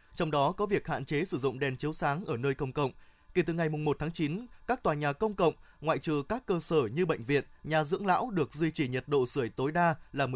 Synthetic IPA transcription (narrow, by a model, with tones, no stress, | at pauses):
t͡ɕɔ˧wŋ͡mɗɔ˨˦kɔ˨˦vi˨˩ək̚ha̰ː˧˨nt͡ɕe˨˦sɨ˧˩zʊ̰˧˨ŋ͡mɗɛ˨˩nt͡ɕi˨˦əwsaː˨˦ŋʔəː˧˩nəː˧jkə˧wŋ͡mkə̰˧˨wŋ͡m | ke˧˩t̪ɨ˨˩ŋa˨˩jmʊ˨˩ŋ͡mmo˨˩t̚t̪ʰaː˨˦ŋt͡ɕi˨˦nkaː˦˥k̚t̪waː˨˩ɲaː˨˩kə˧wŋ͡mkə̰˧˨wŋ͡m | ŋwa̰ː˧˨jt͡ɕɨ˨˩əkaː˦˥kːəː˧səː˧˩ɲɨ˧ɓə̰˧˨jŋ̟vḭ˧˨ənɲaː˨˩zɨ̰˧˥əŋla̰ː˧˥wɗɨ˨˩ək̚zwi˧t͡ɕi˧˩ɲə˨˩t̚ɗo̰˧˨sɨ˧˩əjt̪o˨˦jɗaː˧laː˨˩mɨ˨˩